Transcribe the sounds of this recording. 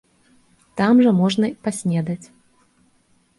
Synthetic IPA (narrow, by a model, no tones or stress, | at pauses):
t̪amʐɐmɔʐnɐipasʲnʲɛd̪ɐt͡sʲ